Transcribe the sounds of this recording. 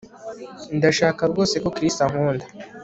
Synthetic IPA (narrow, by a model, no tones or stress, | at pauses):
ndaʃaːkabɡo̞ːse̞ko̞kɾistaŋ̥uːndḁ